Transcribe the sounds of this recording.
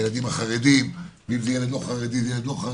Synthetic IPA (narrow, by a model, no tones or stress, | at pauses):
jelad̪imaχaʁed̪imveimzejeletoχaʁed̪izjelet̪oχa